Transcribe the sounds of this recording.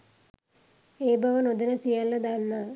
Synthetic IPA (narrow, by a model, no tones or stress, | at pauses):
eːbɐʋɐnod̪inɐsijalːɐd̪anːa